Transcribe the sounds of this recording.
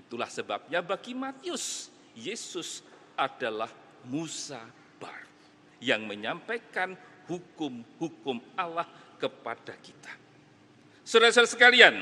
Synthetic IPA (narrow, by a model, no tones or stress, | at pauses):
it̪ulahsəba̰p̚ɲabaɡimat̪iʊs | jesʊs | ʔadalah | musa | b̥a̰ɾu | jaŋməɲampajkanhukʊmhukʊmalahkəpadakit̪ḁ | suɾasuɾasəkalian